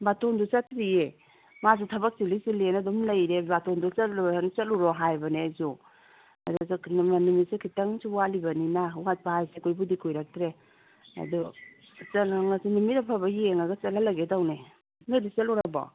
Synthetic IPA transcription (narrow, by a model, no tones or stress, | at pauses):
batondut͡ʃɐtɾie | mazutʰɐbak̚silisilenadɔmlɐjɾebatondut͡ʃɐlant͡ʃɐt̚luɾɔɦajbɐnezu | ɐ̰dɔzamanumit̚sikʰitɐŋsuwalibɐninawat̚pajsikojbudikʰujɾak̚tɾe | ɐ̰dɔ | t͡ʃɐlaŋasinumit̚apʰabɐjeŋaɡɐt͡ʃɐlalɐɡedawne | nedisaluɾabɔ̰